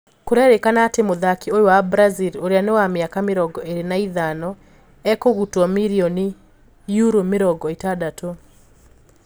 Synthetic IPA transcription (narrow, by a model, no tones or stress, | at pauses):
koɾɛɾekanaːtemoðakiojowabɾaziloɾeanewamjakameɾɔɡɔeɾenaiðanɔ | ɛkoɣutwɔmiɾiɔni | juɾomeɾɔɡɔetadato